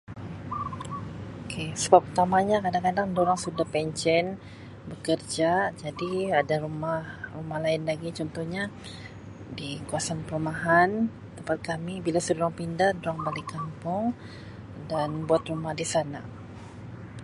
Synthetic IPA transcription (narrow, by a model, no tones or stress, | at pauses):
okʰesəbapːərt̪amaɲakadaŋkadaŋdoɾaŋsudahpɛɲt͡ʃɛn | bəkərd͡ʒad͡ʒadiadaɾumahrumahlaɪnlaɡit͡ʃɔnt̪ɔhɲa | dikuasanpəɾumaɦan | t̪əmpat̪̚kamibilasədoɾaŋpindahdoɾaŋbalikampʊŋ | danbuat̪rumahdisana̰